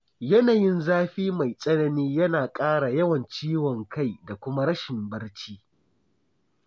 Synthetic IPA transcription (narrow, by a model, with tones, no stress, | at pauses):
jɐ˦naː˨jɪ˦nzaː˦ɸiː˦ma˨jsʼɐ˦nɐ˦niː˦jɐ˦naː˨kʼaː˦ɽa˨jɐ˦wɐ˨nt͡ʃiː˦wɔ˨ŋka˦˨jda˨kʷʊ˦ma˦ɽɐ˦ʃɪ˨mbɐ˦ɽt͡ʃiː˦